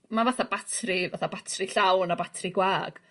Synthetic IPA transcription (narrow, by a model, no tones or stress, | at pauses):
mavaθabatʰrivaθabatʰriɬawnabatʰriɡwaːɡ̥